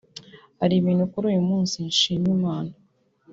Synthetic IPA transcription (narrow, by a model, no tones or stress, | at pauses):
haɾiβiːn̤ukuɾujumuːnsinʃiːɲimaːna